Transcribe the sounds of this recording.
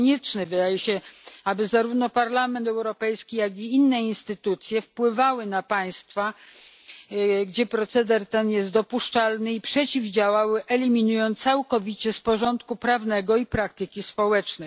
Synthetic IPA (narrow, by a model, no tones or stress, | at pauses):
ɲit͡ʂnɘvɘd̪ajɛɕɛabɘzaɾuvnɔpaɾlamɛnt̪ɛwɾɔpɛjskʲijaɡʲiinːɛinst̪ɘt̪ut̪sʲjɛfpwɘvawɘnapaj̃st̪fa | ɡd͡ʑɛpɾɔt̪sɛd̪ɛɾt̪ɛnjɛst̪d̪ɔpuʂt͡ʂalnɘipʂɛt͡ɕivd͡ʑawawɘʔɛlʲimʲinujɔnt̪sawkɔvʲit͡ɕɛspɔʐɔnt̪kupɾavnɛɡɔipɾakt̪ɘkʲispɔwɛt͡ʂnɛ